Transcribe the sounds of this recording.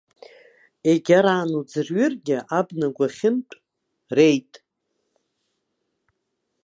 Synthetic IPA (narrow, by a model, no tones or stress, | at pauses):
eɡʲaɾaːnud͡zɨrɥɪrɡʲɪʔabnaɡʷaχʲɪmtʷʼ | rejtʼ